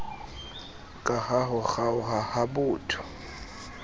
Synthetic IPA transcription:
kʼahaɦʊxaʊhahabʊːtʰʊ̥

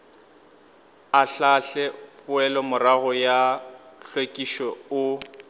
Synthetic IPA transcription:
aɬaɬɛpʼʊɛlɔmʊraɣʊjaɬwekʼiʃɔʊ

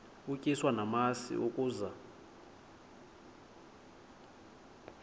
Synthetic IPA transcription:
ucʼiswanamasḭʔukʼuːza

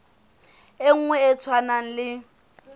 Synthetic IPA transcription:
eŋ̩ŋwɛɛt͡sʰwanaŋ̩lɪ

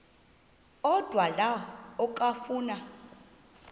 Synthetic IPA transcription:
ɔd̥ʱwalaɔkʼafuːna

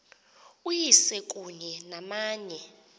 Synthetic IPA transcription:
ujisɛkʼuɲɛnamaːɲɛ

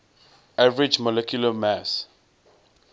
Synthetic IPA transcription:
avɹid͡ʒmɔlɛkʰjulamas

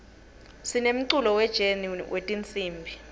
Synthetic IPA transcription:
sinem̩ǀulɔwɛd̥ʒ̥ʱenunwʔetʼint͡sʼiːmbʱi

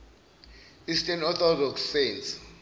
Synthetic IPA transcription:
istʰʼɛnɔt̪ɔdɔksːens

